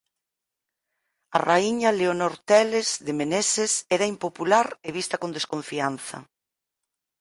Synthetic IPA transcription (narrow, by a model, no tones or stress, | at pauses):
ɐraiɲɐleonoɾt̪ɛlezðemenesesɛɾɐimpopulaɾeβist̪ɐkond̪eskõɱfian̟θɐ̰